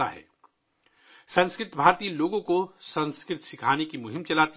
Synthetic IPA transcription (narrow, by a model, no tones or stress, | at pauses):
a̰ɦɛ̰ː | sɐ̃nskɾɪt̪bʱaːɾt̪iːeloːɡõkosɐ̃nskɾɪt̪sɪkʰaːnekimʊɦɪ̃mt͡ʃɐlaːt̪